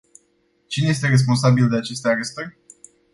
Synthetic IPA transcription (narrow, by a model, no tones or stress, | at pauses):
t͡ʃineje̞s̬t̪e̞re̞s̬pons̬abild̪e̞at͡ʃe̞st̪eaɾe̞st̪ərʲ